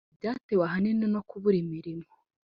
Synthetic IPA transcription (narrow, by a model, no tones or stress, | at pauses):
bɟaːtewaɦanineno̞kuβuɾimiɾimo